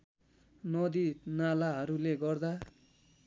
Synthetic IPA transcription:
nʌd̪inalaɦʌɾuleɡʌrd̪a

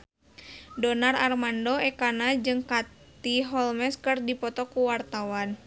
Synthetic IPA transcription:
dɔnararmandɔɛkanad͡ʒɨŋkat̪iɦɔlmɛskɨrdipɔt̪ɔkuwart̪awan

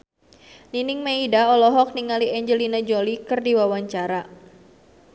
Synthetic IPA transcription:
ninɪŋmaidaɔlɔɦɔk̚niŋaliɛɲd͡ʒəlinad͡ʒɔlikɨrdiwawaɲt͡ʃaɾa

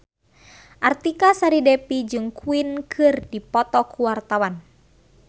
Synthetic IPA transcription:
ʔart̪ikasaɾidɛpid͡ʒɨŋkuinkʰɨrdipɔt̪ɔkuwart̪awan

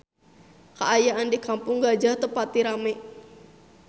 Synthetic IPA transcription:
kaʔajaʔandikampʊŋɡad͡ʒaht̪əpat̪iɾameʔ

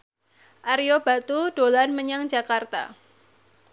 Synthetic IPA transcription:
ʔaɾiob̥a̤t̪ud̥olanməɲaŋd͡ʒakart̪a̰

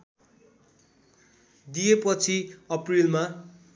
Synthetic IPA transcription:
d̪ijepʌt͡sʰiʌprilma

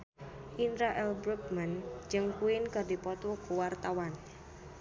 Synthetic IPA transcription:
ʔinɾaʔɛlbɾuk̚mand͡ʒɨŋkuɪnkərdipɔt̪ukuwart̪awan

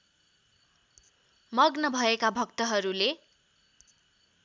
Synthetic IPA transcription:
mʌɡnʌbʱʌekabʱʌkt̪ʌɦʌɾule

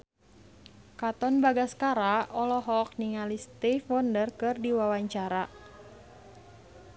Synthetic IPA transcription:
kat̪ɔnbaɡaskaɾaɔlɔɦɔk̚niŋalist̪ifwɔndərkɨrdiwawaɲt͡ʃaɾa

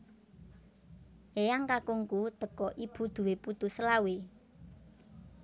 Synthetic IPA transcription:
ejaŋkakuŋkut̪əkɔʔib̥ṳd̪̥ṳweput̪usəlawe

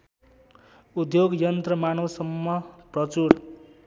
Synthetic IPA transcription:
ud̪joɡjʌnt̪rʌmanosʌmːʌprʌt͡suɾ

